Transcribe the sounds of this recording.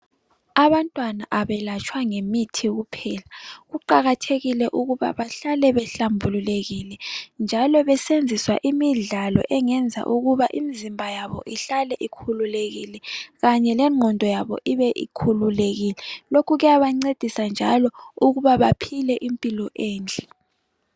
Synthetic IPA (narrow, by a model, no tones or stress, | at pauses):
aβantʼwanaʔaβɛlat͡ʃʼʰwaŋemitʰiɣupʰɛːlaɣuǃaɣatʰeɣilɛʔuɣuβa̰βaɬalɛβɛɬambʱululeɣilɛnd͡ʒʱalɔβɛsend͡zʱiswa̰ʔimiɮalɔ̰ʔɛŋɛnd͡zʱa̰ʔuɣuβaʔimizimbʱajaβɔ̰ʔiɬalɛʔikʰululeɣilɛɣaɲɛlɛŋ͡ǃʱɔndʱɔjaβɔ̰ʔiβɛʔḭkʰululeɣilɛlokʰuɣɛjaβaŋ͡ǀed̥ʱisand͡ʒʱalɔuɣuβaβapʰilɛʔimpʼilɔʔeːnd͡ɮʱɛ̥